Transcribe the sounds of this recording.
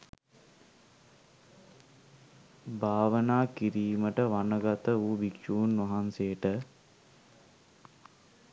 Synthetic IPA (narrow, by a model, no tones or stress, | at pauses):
bʱaːʋənaːkiɾiːməʈəʋanəɡat̪əuːbikʃuːnːʋɐɦansejəʈə